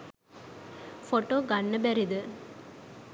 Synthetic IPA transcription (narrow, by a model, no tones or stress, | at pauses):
foʈoːɡanːəbæɾid̪ə